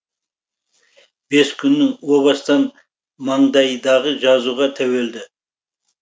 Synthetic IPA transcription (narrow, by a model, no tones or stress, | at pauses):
b̥e̞skʲʰʏnːɪŋwoβɑst̪ɑn | mɑɴd̪ɑjd̪ɑʁəʒɑzuʁɑt̪ʰæwe̞ld̪ɪ